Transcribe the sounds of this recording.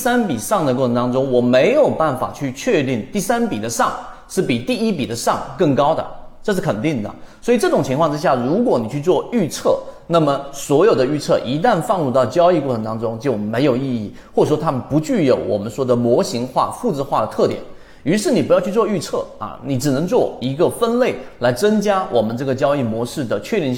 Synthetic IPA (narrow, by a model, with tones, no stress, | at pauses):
sa˥npi˨˩ʂɑ˥˩ŋd̪ə˨kwɔ˥˩ɤ˧ŋt̪ɑ˥ŋʈ͡ʂʊ˥ŋwɔ˨˩me˧˥ɪjo˨˩ʊpa˥˩nfa̰˨˩t͡ɕʰy˥˧t͡ɕʰɥɛ˥˧t̪i˥˧ŋt̪i˥˩sa˥npi˨˩d̪ə˦ʂɑ˥˩ŋʂɻ̩˥˩pi˨˩t̪i˥˩i˥pi˨˩d̪ə˦ʂɑ̰˥˩ŋkɤ˥˩ŋkɑ˥ʊd̪ə̰˨˩ʈ͡ʂɤ˥˧ʂɻ̩˥˩kʰə˨˩nt̪i˥˩ŋd̪ə̰˩swɔ˧˥i˨˩ʈ͡ʂɤ˥˩ʈ͡ʂʊ˨˩ŋt͡ɕʰi˧ŋkʰwɑ˥˧ʈ͡ʂɻ̩˥ɕja˥˩ɻu˧˥kwɔ˧˥ni˨˩t͡ɕʰy˥˧t͡swɔ˥˧y˥˧t͡sʰɤ˥˩ | na˥˩mə˩swɔ˧˥jo˨˩ʊd̪ə˦y˥˧t͡sʰɤ˥˩ʔi˧˥t̪̬a˥˧nfɑ˥˧ŋɻu˥˧t̪ɑ˥˩ʊt͡ɕjɑ˥ʊi˥˧kwɔ˥˩ʈ͡ʂʰɤ˧˥ŋt̪ɑ˥ŋʈ͡ʂʊ˥ŋt͡ɕjo˥˩ʊme˧˥ɪjo˨˩ʊi˥˧i˥˩ | xwɔ˥˩ʈ͡ʂə˨˩ʂwɔ˥t̪ʰa˥mə˨npu˧˥t͡ɕy˥˩jo˧˩˥ʊwɔ̰˨˩mə˦nʂwɔ˥d̪ə˨mwɔ˧˥ɕi˧˥ŋxwa̰˥˧fu˥˧ʈ͡ʂ̩˥˧xwa˥˩ɾə˩t̪ʰɤ˥˩t̪jɛ̰˨˩˦n | y˧˥ʂɻ̩˥˩ni˨˩pu˧˥jɑ˥˧t͡ɕʰy˥˧t͡swɔ˥˧y˥˧t͡sʰɤ˥˩ɐ̰˨˩ni˨˩ʈ͡ʂɻ̩˨˩nɤ˧˥ŋt͡swɔ˥˩i˧˥ɡə˧fə˥nle˥˩ɪla˧˥ɪt͡sə˥ŋt͡ɕja˥wʔɔ˨˩mə˦nʈ͡ʂɤ˥˩ɡə˩t͡ɕjɑ˥ʊi˥˩mwɔ˧˥ʂɻ̩˥˩d̪ə˩t͡ɕʰɥɛ˥˧jɛ˥˧